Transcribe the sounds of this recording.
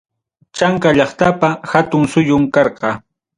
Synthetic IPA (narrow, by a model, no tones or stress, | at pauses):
t͡ʃaŋkaʎɑχt̪apahat̪ʊŋsʊjʊmkɑɾqɑ